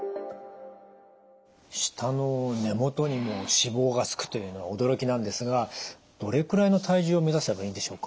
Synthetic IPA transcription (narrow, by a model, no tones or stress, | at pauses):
ɕi̥t̪ano̞ne̞mo̞t̪o̞ɲ̟imo̞ɕibo̞ːɡasɨ̥kɯ̟̥t̪o̞jɯ̟ːno̞βaod̪o̞ɾo̞kʲinãnd̪e̞sɨɡa | d̪̥o̞ɾe̞kɯ̟ɾaino̞t̪ʰaiʑɨːome̞zaɕi̥t̪abaĩːnd̪e̞ɕo̞ːkḁ